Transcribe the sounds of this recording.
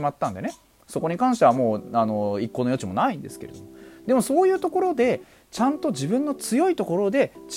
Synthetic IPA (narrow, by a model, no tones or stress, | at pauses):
imat̪ːãnd̪e̞ne̞ | so̞ko̞ɲ̟ikãɰ̃ɕ̬t̪e̞βamo̞ːano̞ikːo̞nojo̞t͡ɕimo̞naĩnd̪e̞sɨ̥keɾe̞d̪omod̪̥e̞mo̞so̞ːjɯ̟ːt̪o̞ko̞ɾo̞d̪e̞ | t͡ɕãnt̪o̞ʑibɯ̟̃nːot͡sɨjo̞it̪o̞ko̞ɾo̞d̪e̞t͡ɕ